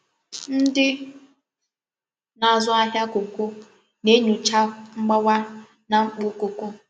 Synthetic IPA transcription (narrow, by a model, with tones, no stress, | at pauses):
n̩˦dɪ˦ | na˨zʊ˦a˦ɦja˦ku˨kʷu˦ | ne˦ɲu˨t͡ʃa˦ŋ͡m̩˦ɡ͡ba˦wa˦ | na˨ŋ͡m̩˦k͡pʊ˦ku˨kʷu˦